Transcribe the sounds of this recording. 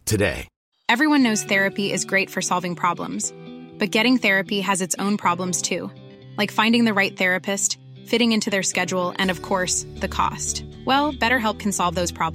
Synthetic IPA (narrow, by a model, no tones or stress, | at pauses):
tʰɨdḛɪ | ɛvɹiwʌ̃nːoʊz̥θɛɹɨpiʔɨzɡɹeɪtfə˞sɑlˠvɪ̃ŋpʰɹ̥ɑblə̰̃mz̥b̥ʌt̚ɡ̥ɛɾɪ̃ŋθɛɹɨpiɨzɨtsõʊ̃npʰɹ̥ɑblə̃mz̥tʰʉ | laɪkfãɪ̃ndɪ̃ŋðɨɹaɪt̪̚θɛɹɨpʰɨst | fɪɾɪ̃ŋɪ̃ntʰʉðə˞skɛd͡ʒul̩ˠɨ̰̃nʌv̥kʰɔɹsðɨkʰɔ̰stwɛlˠb̥ɛɾə˞ɦɛlˠp̚kʰn̩sɑlˠvðoʊz̥pʰɹ̥ɑb